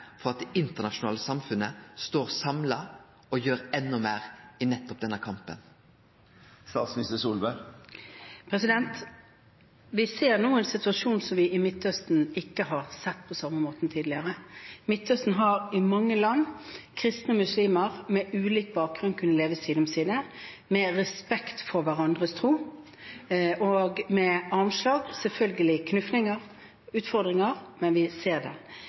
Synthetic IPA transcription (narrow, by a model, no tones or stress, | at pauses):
fɔʁɑt̪̚d̪ɛʔɪnt̪əʁnɑʃʊnɑ̰ːləsɑmfʉnːəst̪oːʁsɑmlɑ | ɔjøːɾɛnːʊmeːɾɪnɛt̪ːɔp̚d̪ɛnːəkʰɑmpə̰n | st̪ɑ̰ːt̪smnɪst̪əsuːlʋə | pʰɾɛsɪd̪ɛnt̪ | ʋɪseːʁnuːənsɪt̪ʉɑʃuːnsɔmʋɪɪmɪt̪ːœst̪n̩ɪkːəɦɑʁsɛt̪ːpʰɔsɑmːəmoːt̪n̩t̪ʰiːd̪lɪəʁəmɪt̪ːœst̪n̩ɦɑɾɪmɑŋːəlɑnːkʰʁɪst̪nəmʉsliːməʁmɛʔʉːliːk̚bɑːk̚ɡʁʉnkʰʉnːəleːʋəsiːd̪ɔmsiːd̪ə | mɛʁɛspɛkt̪fɔɾʋæʁɑnd̪ʁəst̪ʰʁuː | ʔɔɡmɛɑnslɑːɡsɛlfœlɡəlɪkʰnʉfnɪŋəʁ | ʉːt̪fɔʁd̪ʁɪŋəʁmɛnʋɪseːʁd̪ɛ̰